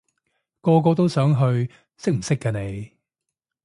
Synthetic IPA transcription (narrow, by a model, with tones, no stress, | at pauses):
kɔː˧k̬ɔː˧t̪̬o˥wsœː˨˥ŋɦɵ˧ɥ | sɪ˥k̚m̩˨˩sɪ˥kːɐː˧ne˨˧j